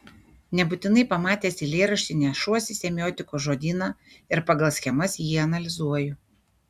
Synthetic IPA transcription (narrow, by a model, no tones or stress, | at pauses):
nʲɛbʊt̪ʲɪnɐɪpɐmɑːt̪ʲeːsʲɪlʲeːɾɐʃʲt̪ʲɪnʲɛːʃuɔsʲɪsʲɛmʲɪjoːt̪ʲɪkoːʒoːd̪ʲiːnɑː | ɪɾpɐɡɐlˠsʲxʲɛmɐsjiːɐnɐlʲɪzuɔjʊ